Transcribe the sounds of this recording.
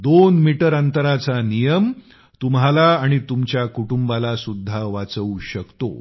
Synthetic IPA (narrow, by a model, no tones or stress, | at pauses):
d̪onmiʈəɾənt̪əɾat͡sanijəm | t̪umɦalaːɽ̃it̪umt͡ɕjakuʈumbalasud̪ʱːaʋat͡səuɕəkt̪o̰